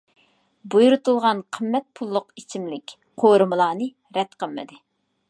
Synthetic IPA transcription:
bujuɾut̪ulˠʁɑnqʰəmːɛt̪̚pʰulˠːʊqit͡ʃʰimlɪkʲ | qʰoɾɨmɨlˠɑːnɨ | ɾɛt̪qʰəlˠmɪ̰d̪ɪ

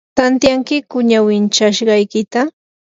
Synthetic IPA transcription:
t̪ant̪jaŋkɪkʊɲawɪnt͡ʃaʃɢɑjkɪt̪a

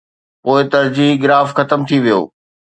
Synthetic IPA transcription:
poːɪt̪ɐɾd͡ʑiːɦɡɪɾaːfxɐt̪əmt̪ʰiʋijo̰ː

